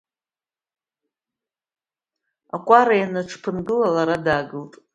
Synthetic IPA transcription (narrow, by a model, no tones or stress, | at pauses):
akʷʼaɾajanaʈ͡ʂʰpʰɨnɡɨlalaɾadaɡɨltʼ